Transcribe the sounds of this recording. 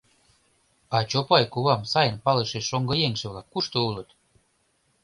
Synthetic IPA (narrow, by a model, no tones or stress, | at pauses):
ɑt͡ɕopɑjkuβɑmsɑjə̆npɑleʃeʃːoŋɡɤ̆jeŋʃĕβlɑkːuʃt̪oulət̪